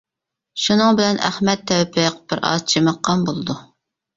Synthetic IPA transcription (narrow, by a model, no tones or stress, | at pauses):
ʃunɨŋbɪlɛnæ̰hmɛt̪ʰːɛwɛpʰɪqb̥ɪɾʔɑ̰zt͡ʃʰemɑqːɑnbolˠɨd̪u